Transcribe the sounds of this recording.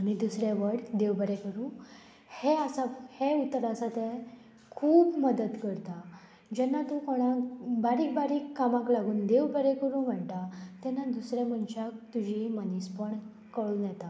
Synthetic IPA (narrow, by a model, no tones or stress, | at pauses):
añid̪usɾeʋəɽd̪eʋbəɾɛkəɾũː | heasaheut̪ːɾasat̪e | kʰuːbməd̪əd̪kəɾt̪a | d͡ʑɛnːat̪ukoɽ̃ãbaɾiːkbaɾiːkːamãklaɡuːnd̪eʋbəɾɛkəɾũːm̤əɳt̪at̪ɛnːad̪usɾeməɳt͡ɕak̚t̪ud͡ʑʱimənispəɳ | kəɭũːnjɛt̪a